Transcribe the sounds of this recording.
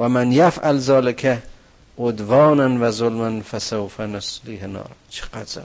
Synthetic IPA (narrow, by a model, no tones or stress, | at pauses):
wamanjafʔalzɑːlɪkʰa | ʔʊd̪vɑːnanvazʊlmanfasawfanʊslihɪnɑ̰ːɾt͡ʃʰɨ̥qaza̰n